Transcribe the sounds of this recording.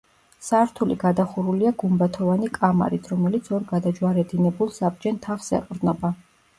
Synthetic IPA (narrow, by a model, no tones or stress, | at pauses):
saɾt̪ʰuliɡad̪aχuɾuliaɡumɾat̪ʰɔvanikʼama̰ɾit̪ʰɾɔmɛlit̪sʰɔɾɡad̪ad͡ʒwaɾɛd̪inɛbulˠsab̚d͡ʒɛnt̪ʰafsɛ̰qʼɾd̪nɔba